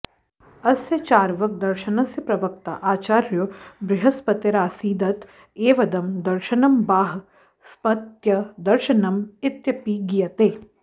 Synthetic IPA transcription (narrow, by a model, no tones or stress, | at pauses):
ɐsjɐt͡ʃaːɾʋɐk̚d̪ɐɾʃɐnɐsjɐpɾɐʋɐk̚t̪a̰ʔaːt͡ʃaːɾjubɾɪɦɐspɐt̪ɐɾaːsiːd̪ɐt̪ | eːʋɐd̪ɐmd̪ɐɾʃɐnɐmbaːɦ | spɐt̪jɐd̪ɐɾʃɐnɐmɪt̪jɐpiːɡijɐt̪eː